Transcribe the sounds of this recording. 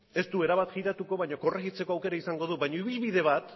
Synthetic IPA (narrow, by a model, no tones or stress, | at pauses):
e̞st̪ue̞ɾaβat̪xiɾat̪uko̞βaɲoko̞reɣit͡se̞ko̞awke̞ɾaisaŋɡo̞ðuβajɲoiβilβiðe̞β̞at̪